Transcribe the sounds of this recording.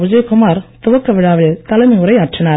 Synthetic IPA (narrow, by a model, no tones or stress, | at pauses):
ʊd͡ʒɐjkʊmaːɾt̪ʊʋɐkːɐʋɪɻaːʋɪɭt̪ɐlɐmɐʊɾɐɪaːʈrɐnaː